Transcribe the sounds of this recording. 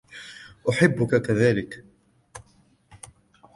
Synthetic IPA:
ʔʊħɪbːʊkakaðaːlɪk

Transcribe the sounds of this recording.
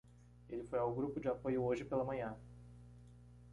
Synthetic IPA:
elɪfojawɡɾupʊd͡ʒɪapojʊoʒɪpelɐmɐ̃ɲɐ̃

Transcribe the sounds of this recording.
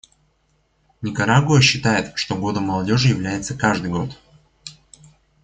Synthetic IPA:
nʲɪkɐɾaɡʊəɕːɪt̪ajɪt̪ʂt̪oɡo̞d̪əmːɐlˠɐdʲo̞ʐɨjɪvlʲæjɪt̪səkaʐd̪ɨjɡo̞t̪

